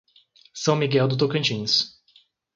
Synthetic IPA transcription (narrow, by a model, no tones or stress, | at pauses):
sɐ̃w̃miɡɛwd̪ʊt̪owkɐ̃t͡ʃĩnʊs